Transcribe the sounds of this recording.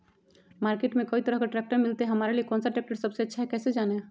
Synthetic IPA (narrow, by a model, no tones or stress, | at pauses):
maːɾkeːʈmẽkoit̪əɾəɦkaʈɾɛːk̚ʈəɾmɪlt̪eɦɐmaːɾeliekɔ̃ːnsaʈɛːk̚ʈəɾsəbseətːʃʰaɦɛkɛːsed͡ʒaːne